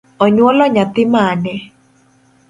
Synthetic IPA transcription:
ɔɲwɔlɔɲat̪ɪmanɛ

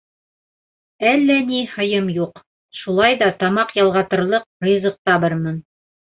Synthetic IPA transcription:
ælːænihɤ̆jɤmjuq | ʃulˠɑjðɑt̪ɑmɑqjɑlˠʁɑt̪ɤ̆ɾlˠɤq̚rijzɤ̆q̚t̪ɑβɤɾmɤn

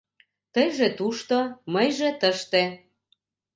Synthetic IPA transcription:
t̪əjʒĕt̪uʃt̪oməjʒĕt̪əʃt̪e

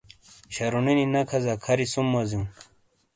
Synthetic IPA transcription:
ɕɐɾunininɐkʰɐzakʰɐɾisumːɐzĩ

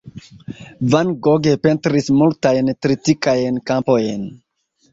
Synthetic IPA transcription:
vanɡoɡepe̞ntɾismultajntɾitikajnkampo̞jn

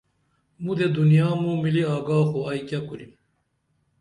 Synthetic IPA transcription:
mud̪ed̪unjaːmũmiliaːɡaːxoajkjakulim

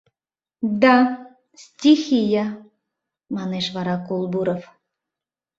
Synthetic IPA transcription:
d̪a | stʲixija | mɑneʃβɑɾɑkolˠbuɾof

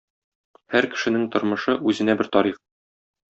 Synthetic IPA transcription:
hæɾkɘ̥̆ʃɘ̆nɘŋt̪ŏɾmɤ̆ʃɤʔʉzɘ̆næbɘɾt̪ɒɾiχ

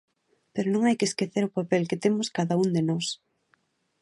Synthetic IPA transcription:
peɾʊnõŋajkɪeskeθeɾʊpapɛlkɪt̪emʊskaðaund̪enɔs

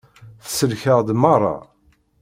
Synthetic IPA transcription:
θə̥səlçəʁd̪mɑrˤɑ̰

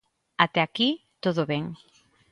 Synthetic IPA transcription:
at̪eakit̪oðoβeŋ

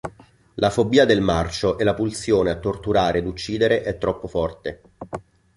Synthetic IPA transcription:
lʔafobːiːad̪elmart͡ʃoʔɛlapulsjoːneat̪ːort̪uɾaːɾed̪ut͡ʃːiːd̪eɾeʔɛt̪ːɾɔpːofɔrt̪e

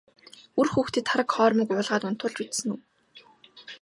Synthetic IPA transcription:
urxuːxt̪ʰiːt̪ʰːaɾə̆kχɔːrmĭkʊːɮʁaːt̪ʊn̥t̪ʊːɮt͡ɕut̪sɘ̆ŋuw

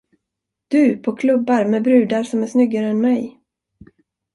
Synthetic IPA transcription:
d̪̥ɵpʰɔkʰlɵbːaɾmɛbɾʉ̟ːd̪aɾʂɔmæʂnʏɡːaɾəɛnmɛj

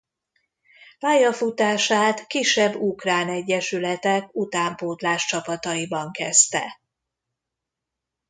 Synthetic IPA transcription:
paːjːɒfut̪aːʃaːt̪kiʃːɛbːukraːnɛɟːɛʃylɛt̪ɛkut̪aːmpoːt̪laːʃt͡ʃɒpɒt̪ɒjibɒŋkɛst̪ɛ̰

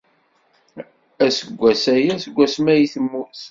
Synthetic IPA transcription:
æsəɡʷːæsæjæsəɡʷːæsmæjiθəmːʊɾθ

